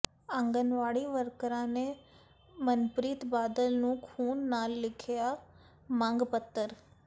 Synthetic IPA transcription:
ə̃ŋɡənʋaːɽiːʋəɾkəɾãːneː | mənpɾiːt̪baːd̪əlnũːkʰuːnːaːlːɪkʰɪjaː | mãːŋɡpət̪ːəɾ

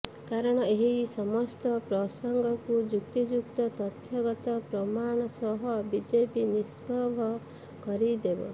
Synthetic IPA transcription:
kaɾɔɽ̃ɔeɦisɔmɔst̪ɔpɾɔsɔŋɡʱɔkud͡ʒuk̚t̪id͡ʒuk̚t̪ɔt̪ɔt̪ʰjɔɡɔt̪ɔpɾɔmaɽ̃ɔsɔɦɔbid͡ʒepinisbɔbʱɔ | kɔɾid̪ebɔ̰

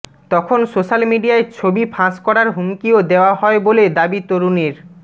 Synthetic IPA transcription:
t̪ɔkʰonsoʃalmiɖiaet͡ɕʰobipʰãskɔɾaɾɦumkiod̪eoaɦɔeboled̪abit̪oɾuneɾ

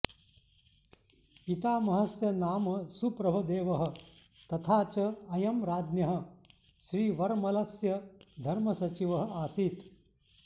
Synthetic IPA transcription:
pit̪aːmɐɦɐsjɐnaːmɐsupɾɐbʱɐd̪eːʋɐɦɐ̆t̪ɐt̪ʰaːt͡ʃɐɐjɐmɾaːd̪njɐɦɐ̆ | ʃɾiːʋɐɾmɐlɐsjɐd̪ʱɐɾmɐsɐt͡ʃiʋɐɦɐaːsiːt̪

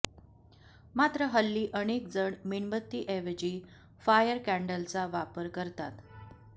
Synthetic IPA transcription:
mat̪ɾəɦəlːiːʔəɽ̃ek̚d͡zəɳmiɳbət̪ːiːʔeʋed͡ʑiː | fajəɾkæɳɖəlt͡saʋapəɾkəɾt̪at̪

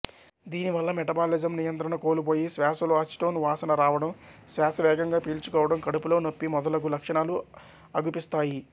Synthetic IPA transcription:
d̪iːniʋɐlːɐmɛʈɐbaːlid͡ʒɐmnijɐnt̪ɾɐɳɐko̞ːlupo̞ːjisʋaːsɐloaːsʈoːnʋaːsɐnɐɾaːʋɐɽɐmsʋaːsɐʋɛːɡɐŋɡaːpiːlt͡ʃukɔːʋɐɽɐmkɐɽupulo̞ːnopːimɔd̪ɐlɐɡulɐkʂɐɳaːlu | ɐɡupist̪aːji

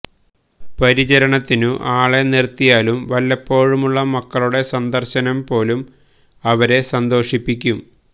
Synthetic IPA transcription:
pɐɾit͡ɕɐɾɐɳɐt̪ːinuʔaːɭe̞nirt̪ːijaːlumʋɐlːɐpːo̞ːɻumuɭːɐmɐkːɐɭuɽe̞sɐnd̪ɐrɕɐnɐmpo̞ːlum | ɐʋɐɾe̞sɐnd̪o̞ːʂipːikʲːum

